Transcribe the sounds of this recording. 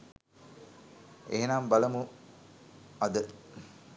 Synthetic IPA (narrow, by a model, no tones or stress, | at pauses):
eɦenaːmbɐlɐmu | ɐd̪ə